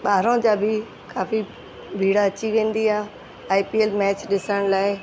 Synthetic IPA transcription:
ɓaːɾõd͡ʑaːbʱɪ | kaːfi | bʱiːɽaːt͡ɕiʋẽːn̆d̪iaː | aːipielmɛːt͡ɕɗɪsəɽ̃laːɪ

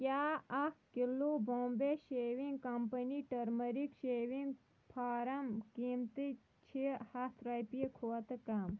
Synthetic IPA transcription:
kʲjaːɐkkilːoboːmbeʃeːʋiŋɡkɐmpɐniʈɐɾmɐɾikʃeːʋiŋɡ | pʰaːɾɐmkiːmt̪i | t͡ʃʰihat̪ɾajpikʰoɐt̪kam

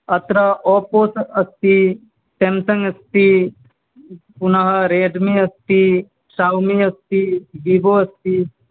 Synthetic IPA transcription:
ɐt̪ɾɐʔɔːpoːsɐst̪i | temsɐŋɐst̪i | punɐɦɐɾeːɖmiɐst̪i | saːwmiɐst̪ibiboɐst̪i

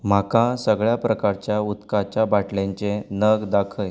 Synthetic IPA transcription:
m̤akãsəɡɭjapɾəkaɾt͡ɕjaut̪kat͡ɕabaʈlẽɲt͡ɕẽnəɡd̪akʰəj

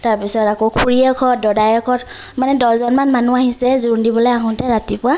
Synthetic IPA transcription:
taɹpisɔtakokʰuɹiɛkʰɔt̚dɔdajɔkʰɔt | manɛdɔzɔnmanmanuaɦisɛzuɹndibɔlɔjaɦɔ̃tɛɹatipʊwa

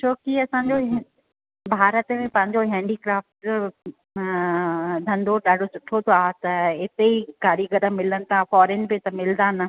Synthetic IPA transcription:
t͡ɕʰoːkiɐsãːɲd͡ʑo | bʱaːɾət̪mẽpɐ̃ɦɪ̃ɲd͡ʑoɦɛ̃ːɳɖikɾaːfʈ | d̪ʱɐ̃nd̪oɗaːɖʱosʊʈʰot̪ʰoaːt̪ɐɪt̪eikaːɾiɡəd̪əmɪlənɪ̆t̪ʰafɔːɾeːnpet̪ɐmɪld̪aːnə̆

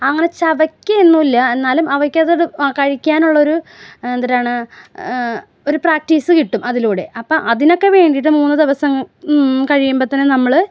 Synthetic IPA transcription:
ɐŋːɐnet͡ɕɐʋɐkʲːɨenːuilːɐe̞nːaːlumɐʋɐkʲːɐðiɽɨkɐɻikʲːaːnuɭːɐo̞ɾuend̪ɐɾaːɳɨ | o̞ɾupraːk̚ʈiːsɨkiʈːumɐðiluːɽe̞̰ʔɐpːoʔɐðino̞kːe̞ʋe̞ːɳɖijiʈːɨmuːnːɨd̪iʋɐsɐmkɐɻijumbɐt̪ːɐnenɐmːɐɭ

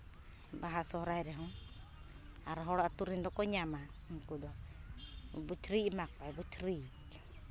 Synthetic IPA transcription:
baɦasɔhɔɾajɾɛɦɔ̃ | aɾɔɦɔɽaʔt̪uɾind̪ɔkɔɲama | ŋkud̪ɔ | but͡ʃɾiʔmak̚pajbut͡ʃɾiʔ

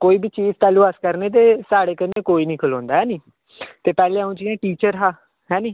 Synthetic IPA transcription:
koːiːbit͡ʃiːzt̪aːluːəskəɾneːt̪̬eːsaːɽeːkəneːkoːiːnĩːkʰəlɔ̃ːnd̪aːɦɛːniː | t̪eːpɛːleːaũːd͡ʒiãːʈiːt͡ʃəɾɦaː | ɦɛːniː

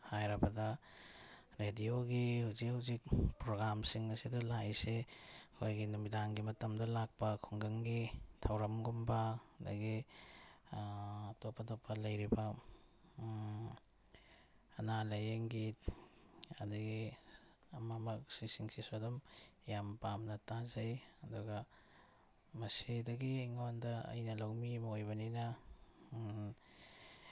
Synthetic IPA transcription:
hajɾɐbɐdɐ | ɾedioɡihuzikhuzik̚pɾoɡɾamsiŋɐsidɐlajsekʰojɡinumidaŋɡimɐtɐmdɐlak̚pɐkʰuŋɡɐŋɡitʰɐwɾɐmɡumbɐda̰ɡi | ɐtopʰːɐtopʰːɐlɐjɾibɐ | ɐnalɐjeŋɡit | ɐ̰duɡi | ɐmamɐk̚sisiŋsisodɔmjampamnɐtazɐjɐduɡɐ | mɐsidɐɡiŋondɐɐ̰jnɐlawmimɐojbɐninɐ

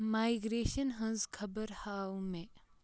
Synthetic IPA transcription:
maːɪɡɾeːʃənɦɐ̃nzkʰɐbəɾhaːũmẽ

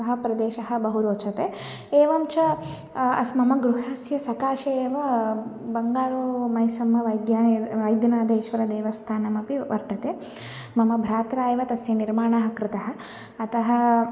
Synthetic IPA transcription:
ɐɦɐ̆pɾɐd̪eːʃɐɦɐ̆bɐɦuɾoːt͡ʃɐt̪eː | eːʋɐmt͡ʃɐ | ɐ̰smɐmɐɡɾuɦɐsjɐsɐkaːʃeːʋɐbɐŋɡaːɾomɐjsɐmɐʋɐjd̪jaːʋɐjd̪jɐnaːd̪eːʃʋɐɾɐd̪eːʋɐst̪ʰaːnɐmɐpiʋɐɾt̪ɐt̪eː | mɐmɐbʱɾaːt̪ɾaːjɐʋɐt̪ɐsjɐniɾmaːɳaːɦɐkɾɪt̪ɐɦɐ̆ː | t̪ɐɦɐ̆

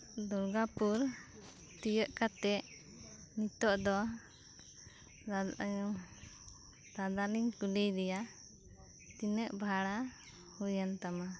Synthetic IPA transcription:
d̪ɔɾɡapuɾ | t̪ijəʔkat̪ɛʔ | nit̪ɔʔd̪ɔ | d̪ad̪aliŋkulijd̪ɛja | t̪inəʔbʱaɽa | hujənt̪ama

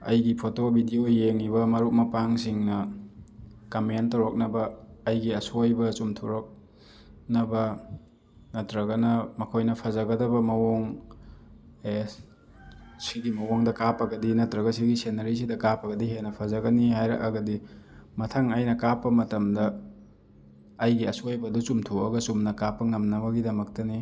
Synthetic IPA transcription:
ɐjɡipʰotobʱidiojeŋiβɐmɐɾuk̚mɐpaŋsiŋnɐ | kɐmentoɾok̚nɐbɐːjɡiɐsojbɐsumtʰuɾok̚ | nɐbɐ | nɐtɾɐɡɐnɐmɐkʰojnɐpʰɐzɐɡɐdɐbɐmɐwoŋ | e | siɡimɐwoŋdɐkapɐɡɐdinɐtɾɐɡɐsiɡisenɐɾis̬idɐkapɐɡɐdiɦenɐpʰɐzɐɡɐnihajɾɐ̰kɐɡɐdi | mɐtʰaŋɐjnɐkapːɐmɐtɐmdɐ | jɡiɐsojbɐdusumtʰuɐɡɐsumnɐkapːɐŋɐmnɐbɐɡidɐmɐk̚tɐni

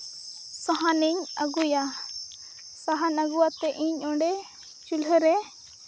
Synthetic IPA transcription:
saɦaniɲaɡuja | saɦanaɡuwat̪ɛʔiɲɔɳɖɛ | t͡ʃulɦəɾɛ

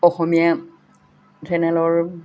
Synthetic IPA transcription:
ɔxɔmija | zɛnɛlɔɹ

